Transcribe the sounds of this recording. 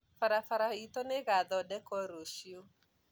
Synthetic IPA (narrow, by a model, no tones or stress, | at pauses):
faɾafaɾait̪ɔneɣaðɔɗɛkɔɾoʃio